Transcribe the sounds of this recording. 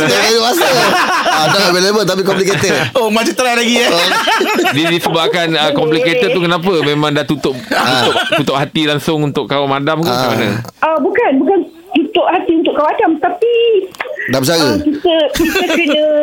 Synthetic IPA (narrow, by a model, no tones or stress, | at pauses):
aɾajoasi | dalabelebət̪ap̬ikɔmpliket̪ɛomat͡ʃit̪əɾalaɡia | didisəbaakanəkɔmpliket̪ət̪ukənãp̬əmẽmãŋdaht̪ut̪ʊʔut̪ʊʔt̪ut̪ʊʔ̚hat̪ilaŋsʊŋunt̪ʊkkawamadamkumana̰əbukanbukan | t̪ut̪ʊʔhat̪iunt̪ʊʔkawadamt̪api | dabət͡ʃaɡəkit̪əkit̪əkənə̃